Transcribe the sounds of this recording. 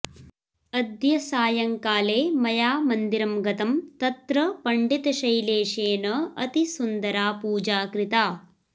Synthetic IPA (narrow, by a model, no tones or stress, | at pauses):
ɐd̪jɐsaːjɐŋkaːleːmɐjaːmɐnd̪iɾɐmɡɐt̪ɐmt̪ɐt̪ɾɐpɐɳɖit̪ɐʃɐjleːʃeːnɐɐt̪isund̪ɐɾaːpuːd͡ʒaːkɾit̪aː